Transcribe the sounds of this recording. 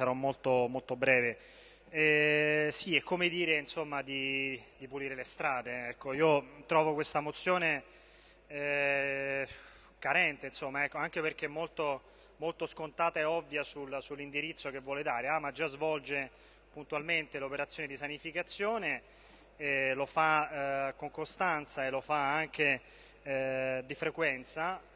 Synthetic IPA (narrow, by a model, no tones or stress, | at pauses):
saɾɔmːolt̪omolt̪obɾɛːve | ɛsiɛkːomed̪iːɾeinsomːad̪id̪ipuliːɾelest̪ɾaːd̪eɛkːoiːot̪ɾɔːvokwest̪amot̪sːjoːne | ɛ | kaɾɛnt̪einsomːaɛkːoaŋk̟eperk̟eɛmːolt̪o | molt̪oskont̪aːt̪aeɔvːjasulsulːind̪iɾit̪sːok̟evːwɔːled̪aːɾeaːmad͡ʒazvɔld͡ʒe | punt̪ualment̪elopeɾat̪sjoːned̪isanifikat̪sːjoːneː | lofakoŋkost̪ant̪saelofaaŋk̟e | d̪ifɾekwɛnt̪sa